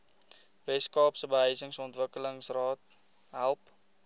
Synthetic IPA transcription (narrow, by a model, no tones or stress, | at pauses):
vɛskɑːpsəbəɦəjsəŋsɔntvəkələŋsrɑːt̚ | ɦælˠp